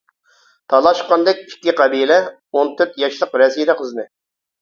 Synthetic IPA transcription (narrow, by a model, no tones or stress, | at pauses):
t̪ʰɑlˠɑʃqɑnd̪ɛk̚ʲi̥kʲːiqʰɑbijlɛ | ont̪ʰøɾt̪jɑʃlˠəqɾɛsilɾiqʰəznɨ